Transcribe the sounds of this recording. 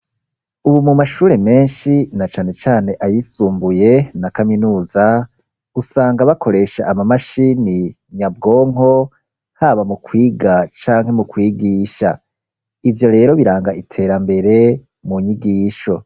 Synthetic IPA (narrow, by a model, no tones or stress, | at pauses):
uβumumaʃuːɾe̞me̞ːnʃinat͡ʃaːne̞t͡ʃaːne̞ʔajisuːmbuje̞nakaminuːza | usaːŋɡaβakʰo̞ɾe̞ʃaʔamamaʃiːni | ɲab̚ɡo̞ːŋo̞ | haβamukwiːɡat͡ʃaːŋhe̞mukwiːɡiːʃa̰ | ivjo̞ɾe̞ːɾo̞βiɾaːŋɡaʔitʰe̞ɾambe̞ɾe̞ | muɲiɡiːʃo̞